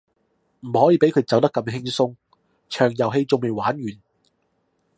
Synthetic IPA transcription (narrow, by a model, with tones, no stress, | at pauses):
m̩˨˩hɔː˨˥jiː˧pe˨˥jkʰɵ˨˧ɥt͡sɐ˨˥wt̪ɐ˥kːɐ˧mɦɪ˥ŋsʊ˥ŋ | t͡ʃʰœː˨˩ŋjɐ˨˩wɦe˧jt͡sʊ˨˧ŋme˨jwaː˨˥nɥyː˨˩n